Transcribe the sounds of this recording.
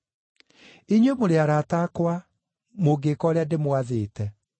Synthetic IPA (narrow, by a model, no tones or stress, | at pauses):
iɲwemoɾeaɾaːtakwa | moɡekɔːɾeademwaðeːtɛ